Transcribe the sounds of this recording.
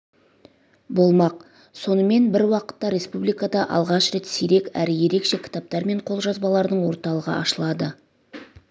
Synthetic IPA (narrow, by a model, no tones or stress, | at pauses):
bo̞lˠmɑq̚ | so̞nəme̞nbɪɾwɑqə̥t̪ːɑɾe̞spublijkad̪ɑʔɑ̰lˠʁɑʃɾe̞t̪siɾe̞kæ̰ɾɪje̞ɾe̞kʃe̞kʲʰɪ̥t̪ɑp̚t̪ɑɾme̞ɴqʰo̞lˠʒɑzbɑlˠɑɾd̪əɴwo̞ɾt̪ɑlˠəʁə̰ʔɑʃəlˠɑd̪ə